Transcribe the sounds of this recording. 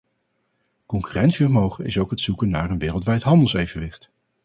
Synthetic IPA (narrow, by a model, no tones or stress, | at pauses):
kɔŋkyrɛntsiərmowχənɪ̰sowkɦətsukənːa̰ːɹənʋɪːrəlˠtʋɛjtɦɑndəlˠsejvənʋɪχt